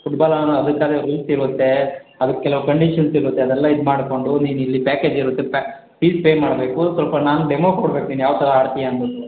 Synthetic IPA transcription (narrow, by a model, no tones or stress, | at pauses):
fuʈbaːlɐnɐd̪ɐkːaːd̪eɾulsiɾut̪ːe̞ɐd̪ɐkːekɛlɐʋukɐɳɖiːʃɐnsiɾut̪ːeɐd̪ɛlːɐid̪maːɽko̞ɳɖuniːnuilːipæːkeːd͡ʒiɾut̪ːepː | piːspeːmaːɽbe̞ːkusʋɐlpɐnaːnuɖemokoːɽbe̞ːkuniːnujaːʋt̪ɐɾɐaːɽt̪ijeɐnbɐt̪ːu